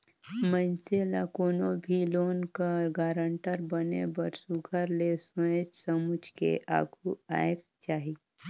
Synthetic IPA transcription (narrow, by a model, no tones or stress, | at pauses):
mənselakoːnõbʱiloːnkaɡaːɾəɳʈəɾbənebɐɾsuɡʱəɾlesʊẽd͡ʒsəmʊd͡ʒʱkḛʔa̰ːɡʰʱua̰ːjk̚ | t͡ʃaːɦi